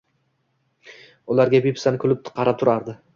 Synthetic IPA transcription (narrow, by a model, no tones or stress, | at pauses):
ʊlaɾɡʲabipsanɪkʰʲʊlɪp̚t̪qʰɑɾat̪ʰʊɾaɾd̪ɪ